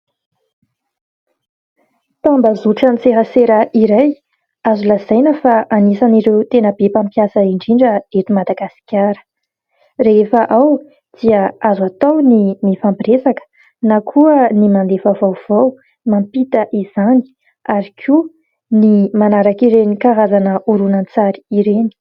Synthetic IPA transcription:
t̪ambəzuʈ͡ʂənit͡seɦəseɾəʔiɾaj | azulaz̥ajnəfaanisaniɾewt̪enəb̥epampjasəiɳɖ͡ʐiɳɖ͡ʐəet̪umad̪aɡasi̥kʲjaɾə̥ | reefəʔaw | d̪̥iəazuat̪awnimifampiɾesakə̥ | nakʰuənimand̪efavawv̥aw | mampit̪əʔiz̥ani̥ | aɾikʰu | nimanaɾakiɾenikaɾazanəuɾunant͡saɾi̥iɾeni̥

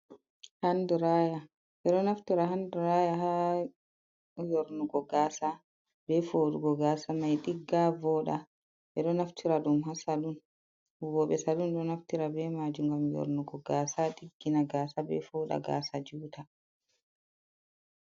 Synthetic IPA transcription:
handuɾaːja | ɓɛɗɔnaftiɾaɦanduɾajaɦa | joɾnuɡɔɡaːsa | bɛfoɗuɡɔɡaːsamajɗiɡːavɔːɗa | ɓɛɗɔnaftʰiɾaɗumɦasaɗun | wɔɓɛsalunɗɔnaftiɾabɛmad͡ʒuŋɡamjo̰ɾnuɡɔɡaːsaɗiɡːinaɡaːsabɛ̰fɔːɗa̰ɡa̰ːsad͡ʒuːtʰa

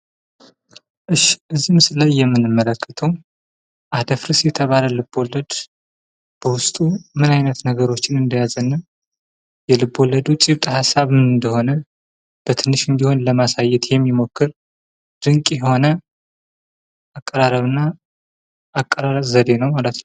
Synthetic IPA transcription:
ʔɨʃʔɨzːimɨsɨlajːɛmːɨnɨmːələkʰːə̥t̪ʰəw | ʔad̪əfɾɨsjɛt̪ʰəβaləlɨbːo̞lːəd̪ | b̥əwʊst̪ʼumɨnajnət̪nəɡəɾo̞t͡ʃːɪnɨnd̪əjazənːə | jɛlɨbːo̞lːəd̪ut͡ʃʼiβt̪ʼhasːaβmɨnɨnd̪əho̞nə | b̥ət̪ʰɨnːɨʃɨnd̪iho̞nləmasajːɛt̪jɛmːimo̞kːɨɾ | d̪̥ɨŋkʼjɛho̞nə | akʼːəɾaɾəβɨnːa | ʔːkʼːəɾaɾzəd̪e̞nəwmalət̪nəw

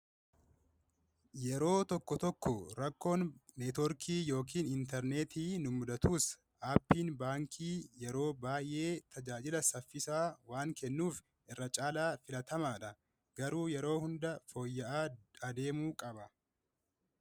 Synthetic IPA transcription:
jɛɾo̞ːt̪ɔkːɔt̪ɔkːɔɾɐkːo̞ːnːeːt̪ɔɾkiːjo̞ːk̬iːnɪnt̪ɛɾneːt̪iːnʊmʊd̪ɐt̪uːs | ʔaːpːiːnbaːŋkʰiːjɛɾo̞ːbaːjʔe̞ːt̪ʰɐd͡ʒaːd͡ʒɪlɐsɐfːɪsaːwaːŋkɛnːuːf | ʔɪrːɐt͡ʃʼaːlaːfɪlɐt̪ɐmaːᶑɐ | ɡ̥ɐɾuːjɛɾo̞ːhʊnd̪ɐfo̞ːjːɐʔaːɐd̪e̞ːmuːkʼɐbɐ

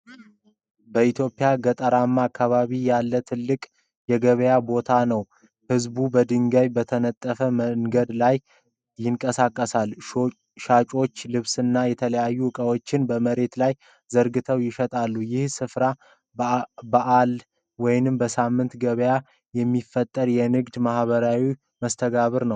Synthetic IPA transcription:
bəit̪ʰjo̞pʼːɪjaɡət̪ʼəɾamːaːkʰːaβaβijalːət̪ʰɨlːɨkʼ | jɛɡəβəjabo̞t̪ʰanəw | hɨzbubəd̪ɨŋɡəjbət̪ʰənət̪ʼːəfəməŋɡəd̪laj | jɪŋkʼəsakʼːəsal | ʃat͡ʃʼo̞t͡ʃːlɨβsɨnːajɛt̪ʰələjajːuɨkʼəwo̞t͡ʃːɪnbəməɾe̞t̪laj | zəɾɡɨt̪ʰəwjɪʃət̪ʼalːujɪhsɨfɾa | baʔal | wɔjnɨmbəsamːɨnt̪ɡəβəja | jɛmːifːət̪ʼːəɾjɛnɨɡd̪mahβəɾawi | məst̪ʰəɡaβɨɾnəw

